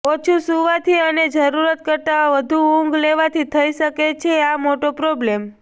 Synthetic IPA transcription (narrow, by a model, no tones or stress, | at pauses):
ot͡ʃʰusuʋat̪ʰiəned͡ʒəɾuɾət̪̚kəɾt̪aʋəd̪ʱuũŋɡleʋat̪ʰit̪ʰəiʃəket͡ʃʰeamoʈopɾoblem